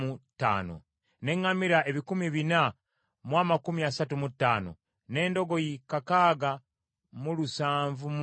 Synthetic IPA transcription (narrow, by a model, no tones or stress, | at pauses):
utːa̰ːno̰ | ne̞ŋːamiɾae̞βikumiβina | mwaːmakumiasatumutːa̰ːno̞̰ | ne̞ːndo̞ɡo̞jikakaːɡa | mulusaːɱvum